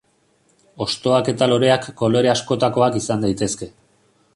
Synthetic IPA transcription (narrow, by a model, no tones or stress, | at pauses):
o̞st̪o̞ake̞t̪alo̞ɾe̞akːo̞lo̞eɾe̞asko̞t̪ako̞akisand̪ajt̪e̞ske̞